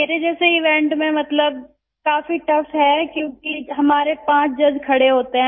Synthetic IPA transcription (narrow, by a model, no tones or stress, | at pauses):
meːɾed͡ʒɛːseɪʋɛ̃ʈmẽmɐt̪ləb̚ | kaːfiʈɐfɦɛkjõːkiɦɐmaːɾepãːt͡ʃd͡ʒɐd͡ʒkʰɐɽeɦoːt̪eɦɛ̃ː